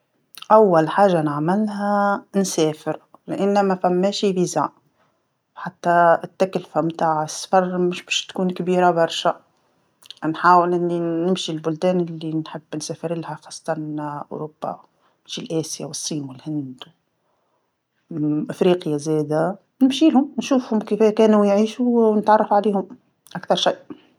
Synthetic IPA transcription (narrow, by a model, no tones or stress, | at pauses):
ʔawːælħaːʒanəʕmɪlɦænsɛːfɪɾlʔɪnːæmæfæmːɛːʃibiza̰ʕ | ħat̪ːæɪt̪ːæklfæmt̪aːʕəsːfɑɾˤmɪʃbɛʃt̪kuːnkbiːɾabɑɾˤʃa | nħaːwɪlʔɪnːinɪmʃilbʊld̪ɛːnlːinħɪbːnsæːfɪɾɪlhæxɑːsˤːɑ̥t̪ˤɑnʔʊ̰ɾob̥ːa̰ | mʃilʔæːsja̰wəsˤːiːmwɪlhɪnd̪w | ʔɪfɾiːqjazæːd̪æ | nɪmʃiːlhʊmnʃuːfhʊmkifkæːnujʕiːʃunət̪ʕɑrˤːɑfʕaliːhʊm | ʔakθɑɾˤʃiːʔ